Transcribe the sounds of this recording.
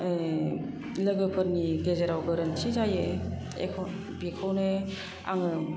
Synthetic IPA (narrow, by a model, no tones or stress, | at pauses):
lɯɡɯpʰɯɾniɡezeɾawɡɯɾɯntʰizaje | ḛkʰɔ | bikʰɔwne | a̰ŋɯ